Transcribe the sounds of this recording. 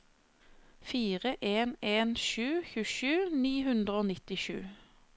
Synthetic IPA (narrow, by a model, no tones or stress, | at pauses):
fiːʁəʔeːneːnʃʉːçʉːʃʉːniːhʉnd̪ʁəoːnɪt̪ɪʃʉ̰ː